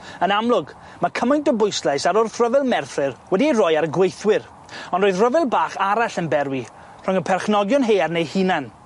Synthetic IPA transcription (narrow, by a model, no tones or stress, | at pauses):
ənamlˠʊɡ | makʰəmajntɔbʊjslˠajsaɾʊrθrəvɪlˠmɛrθrɪrwɛdierɔjaɾəɡwejθwɪɾ | ɔ̃ndroːɨðrəvɪlˠbaːχaɾaɬənbɛɾwi | r̥ʊŋəpʰɛrχnɔɡjʊnɦeːarnejhinan